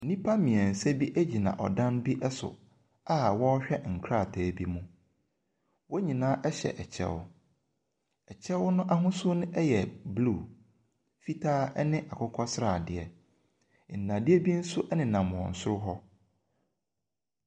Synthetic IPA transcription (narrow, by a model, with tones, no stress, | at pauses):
n̩˨nĩ˦pʰa˦mĩ˨ɛ̃˨n̩˨sɛ˦bi˦ʔæ˦d͡ʑi˨nã̰˨ʔɔ̰˨dã˦nbi˦ʔɛ˦sʊ̰˨ | a˦wɔ˦ɕᶣɛ˦ŋ̩˨kʰɾa˦˨tʰɛː˨bi˦mũ˦ | wɔ˦ɲĩ˨nãː˦ʔɛ˦ɕɛ̰˨ʔɛ˨t͡ɕʰɛ̰˦w | ɛ˨t͡ɕʰɛ˦wnʊ̃˦ʔa˦ɦʊ̃˦sʊ˦nʊ̃˦ʔɛ˦jɛ˨bluː˦˨ | fi˦tʰaː˦ɛ˦nɪ̃˦ʔa˨kʰʊ˦kʰɔ˦sɪ˦ɾa˨dɪ˨ɛ˨ | n̩˨nːã˨dɪ˦ɛ˦bi˦n̩˦sʊ˦ʔɛ˦nɪ̃˨nã˨m̃˨ɔ̰̃˨n̩˨sʊ˦ɾʊ˦ɦɔ˦